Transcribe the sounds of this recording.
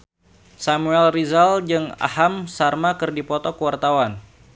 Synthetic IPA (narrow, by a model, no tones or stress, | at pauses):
samuɛlrizald͡ʒɨŋa̰hamsarmakɨrdipɔt̪ɔkəwart̪awan